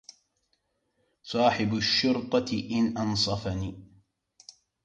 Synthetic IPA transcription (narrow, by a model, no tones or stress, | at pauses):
sˤɑːħɪbʃːʊɾt̪ˤɑʔɪnʔɑnsˤɑfaniː